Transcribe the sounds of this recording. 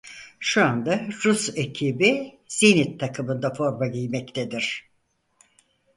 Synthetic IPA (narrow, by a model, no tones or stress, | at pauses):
ʃuand̪aɾusecʰibi | z̥init̪ʰːakʰɯmɯnd̪afo̞ɾmaɟijmɛct̪ʰed̪iɾ̥